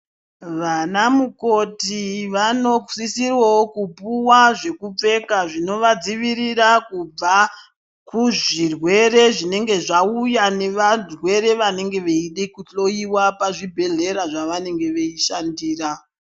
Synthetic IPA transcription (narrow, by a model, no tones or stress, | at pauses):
ʋanamuko̞tiʋano̞sisirwaokupuwaʐe̞kup͡fe̞kaʐino̞ʋad͡ziʋiɾiɾakub͡va | kuʐirwe̞re̞ʐine̞ŋɡe̞ʐaujane̞ʋarwe̞ɾe̞ʋane̞ŋɡe̞ʋeiɗekuɬo̞iwapaʐibʱe̞ɮe̞ɾaʐaʋane̞ŋɡe̞ʋe̞iʃandiːra